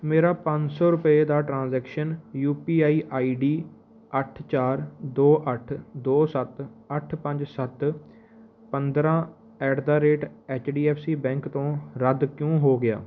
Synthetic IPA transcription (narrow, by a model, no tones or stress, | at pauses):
meːɾaːpə̃ɲd͡ʒsɔːɾʊpəeːd̪aːʈɾãːnzɛːkʃənjuːpiːaːiːʔaːiːɖiː | əʈʰt͡ʃaːɾd̪oːʔəʈʰd̪oːsət̪əʈʰpə̃ɲd͡ʒsət̪ | pənd̪ɾãː | ɛːɖd̪aːɾeːʈɛːt͡ʃɖiːɛːpʰsiːbɛ̃ːŋkt̪õːɾəd̪kjõːɦoːɡɪja̰ː